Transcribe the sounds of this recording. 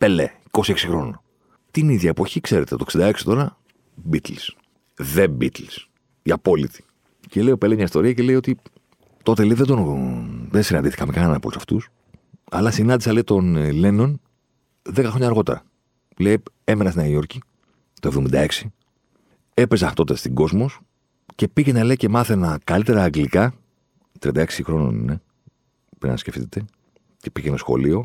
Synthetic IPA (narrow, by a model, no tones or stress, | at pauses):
pelḛiko̞sieksixɾo̞no | t̪iniðʝɐepoçikse̞ɾet̪et̪oksind̪ɐe̞ksi̥t̪o̞ɾɐ | bit̪ls | ðebit̪ls | iɐpo̞lḭt̪i̥ | celeiopelemɲɐist̪o̞ɾiɐcele̞jo̞t̪i | t̪o̞t̪e̞leiðed̪onðensinɐnd̪iθikɐmekɐnɐnɐpolusɐft̪ṵs | ɐ̰lɐsinɐnd̪isɐleit̪o̞nleno̞n | ðekɐxɾoɲɐːɾɣo̞t̪e̞ɾɐ̰ | le̞j | e̞menɐst̪inɐio̞ɾci | t̪oe̞vðo̞mind̪ɐe̞ksi | e̞pezɐt̪o̞t̪est̪iŋɡo̞zmo̞s | ce̞picenɐle̞jce̞mɐθenɐkɐlit̪e̞ɾɐːŋɡlikɐ | t̪ɾiɐnd̪ɐe̞ksixɾo̞no̰nḭne | pɾḭn̰nɐ̰sce̞ft̪it̪e̞ | ce̞piceenɐsxo̞̰lio̞